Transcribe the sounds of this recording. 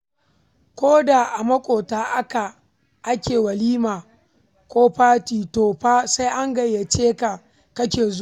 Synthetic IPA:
kʷoː˦da˨ʔa˨mɐ˦kʷʼoː˨taː˨ʔa˦ka˨ | ʔa˦kʲeː˨wɐ˨liː˦maː˨ | kʷoː˦ɸaː˦tiː˨toː˨ɸaː˦sa˦jʔa˦ŋɡɐ˨jːa˨t͡ʃeː˦ka˨ | kɐ˦kʲeː˨zo˦

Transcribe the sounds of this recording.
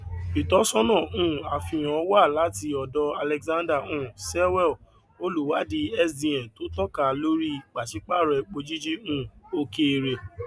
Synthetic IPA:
i˨tɔ˨˦sɔ̃˦nɔ̃ː˦˨ũ˨˦˨a˨fĩ˧˨j̃ɔ̃˨˦wa˦˨la˨˦ti˧ɔ˨dɔ˧a˧lɛ˧kzã˦nda˦˨ũ˦˨sɛ˦wɛ˦˨ | o˦lu˦˨wa˨˦di˧ɛ˦sdĩ˨ɛ̃˨to˨˦tɔ˦ka˨˧˨lo˦ɾi˦˨k͡pa˨ʃi˨˦k͡pa˦˨ɾɛ˧k͡po˧d͡ʒi˦d͡ʒi˦ũ˦˨o˦ke˦e˧ɾe˨

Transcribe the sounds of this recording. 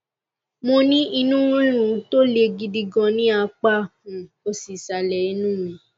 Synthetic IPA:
mo˧nĩ˦i˧nũ˦ũ˦lũ˦˨˦to˦le˧ɡi˧di˧ɡɔ̃˧nĩ˦a˧k͡pa˦ũ˨ | o˧si˨sa˧lɛ˨i˦nũ˦mĩ˨˧

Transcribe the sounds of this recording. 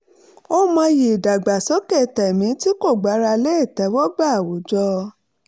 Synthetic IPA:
o˦mã˧je˨da˨ɡ͡ba˨sɔ˨˦kɛ˦˨tɛ˨mĩ˨˦ti˦ko˦˨ɡ͡ba˨˦ɾa˧le˦˨tɛ˨˦wɔ˦ɡ͡ba˦a˨wo˨˦d͡ʒɔ˧

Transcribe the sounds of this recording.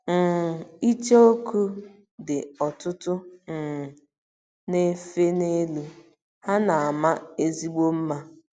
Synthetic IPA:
n̩˨i˦t͡ʃe˦o˦ku˦ | dɪ˨ɔ˨tʊ˦tʊ˦n̩˨ | ne˦fe˦ne˦lu˦ | ha˦na˨a˨ma˦e˦zi˦ɡ͡bo˦m̩˦ma˦

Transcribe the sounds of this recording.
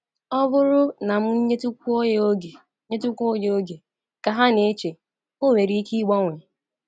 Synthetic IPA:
ɔ˦bʊ˦ɾʊ˦na˨m̩˦i˦ɲe˦tu˦kʷu˦o˦je˦o˦ɡe˨˦ | ɲe˦tu˦kʷo˦je˦o˦ɡe˨ | ka˨ɦa˦ne˨e˦t͡ʃe˨ | o˦we˨ɾi˦i˦ki˦ɡ͡bɔ˦ŋʷe˨

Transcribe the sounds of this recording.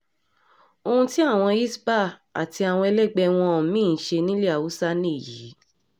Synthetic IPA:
o˧hũ˧ti˦a˦˨w̃ɔ̃˧i˦sba˦˨a̰˨ti˧a˨w̃ɔ̃˧ɛ˧lɛ˦ɡ͡bɛ˧w̃ɔ̃˧˨˦mĩː˦˨ʃe˧nĩ˦le˦a˨wu˨˦sa˦nĩ˦˨ji˨˦

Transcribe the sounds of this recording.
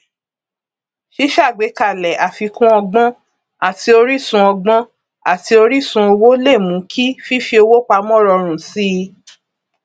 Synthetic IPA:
ʃi˦ʃa˦˨ɡ͡be˨˦ka˨lɛ˨a˨fi˧kũ˦ɔ˧ɡ͡bɔ̃˦ | a˦˨ti˧o˧ɾi˦sũ˧ɔ˧ɡ͡bɔ̃˦ | a˦˨ti˧o˧ɾi˦sũ˧o˧wo˦le˦˨mũ˨˦kʰi˦fi˦fi˧˦o˧wo˦k͡pa˧mɔ̃˦˨ɾɔ˧ɾ̃ũ˨si˦˧

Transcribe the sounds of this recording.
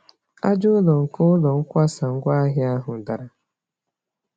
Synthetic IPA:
a˦d͡ʒʊ˦lɔ˨ŋ̩˨kʊ˦ʊ˦lɔ˨ŋ̩˦kʷa˦sa˨ŋ̩˦ɡʷa˦ɦɪ˦a˦ɦʊ˨da˨ɾa˨

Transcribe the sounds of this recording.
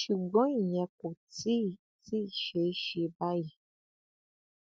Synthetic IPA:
ʃi˨ɡɔ̃˦i˨ɲɛ̃˨˧ko˨ti˦˨ | ti˦˨ʃe˨˦ʃi˧˦ba˦ji˨

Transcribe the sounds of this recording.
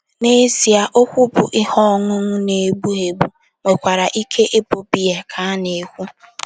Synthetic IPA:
ne˦zi˨a˨ʔo˦kʷu˦bʊ˨ʔɪ˦hɔ˦˨ŋʊ˦ŋʊ˦ne˨ɡ͡bu˦e˨ɡ͡bu˦ | ŋʷe˨kʷa˨ɾa˨ʔi˦kʰe˦ʔe˦bo˨bi˦e˨kʰa˦ne˨kʷu˦

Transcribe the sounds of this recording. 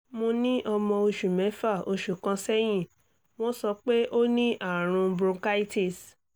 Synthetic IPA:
mo˧nĩ˦ʔɔ˧mɔ̃˧o˧ʃu˨mɛ̃˨˦fa˦˨o˧ʃu˨kã˧sɛ˦j̃ĩ˦˨ | w̃ɔ̃˦sɔ˧k͡pe˦ʔo˦nĩ˦ʔa˦˨ɾ̃ũ˧bɾũ˧ka˦i˦ti˦˨s

